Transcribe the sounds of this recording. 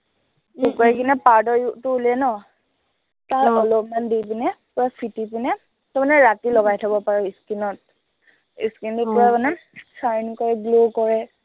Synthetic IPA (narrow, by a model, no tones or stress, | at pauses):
dukɔɛkinɛpaɹdɔɹutʊulɛnɔ | taɹɔlɔpmandipinɛpɔɹɛpʰitipinɛ | tɔmanɛɹatilɔɡajtʰabɔpaɹɔiskinɔt̚ | ḭskintupɔɹɛmanɛsajnkɔɹɛɡlokɔɹɛ